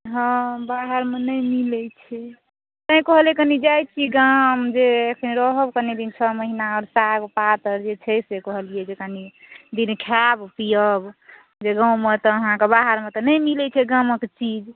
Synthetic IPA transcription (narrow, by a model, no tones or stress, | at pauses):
ɦəbaɦəɾmenəjmilɛt͡ʃʰɛ | t̪əĩkɔɦljɛkənid͡ʒajt͡ʃʰiɡamd͡ʒeekʰəniɾɔɦəbkənid̪int͡ʃʰəməɦinaɔɾsakpat̪əɾd͡ʒet͡ʃʰɛsekɔɦəlijed͡ʒekəni | d̪inkʰabpijəb | d͡ʒeɡãwmet̪ɔːɦãkebaɦəɾmet̪ɔnəjmilɛt͡ʃʰɛɡaməkt͡ʃid͡ʒ